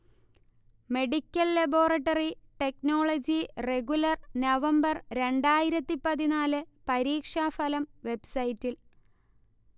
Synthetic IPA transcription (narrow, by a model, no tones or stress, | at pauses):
me̞ɽikʲːɐlːɐbo̞ːrɐʈːɐriʈe̞kno̞ːɭɐd͡ʑire̞ɡulɐrnɐʋɐmbɐrɾe̞ɳɖaːjiɾɐt̪ːipɐðinaːlɨpɐɾiːkʂaːfɐlɐmʋe̞bsɐjitːil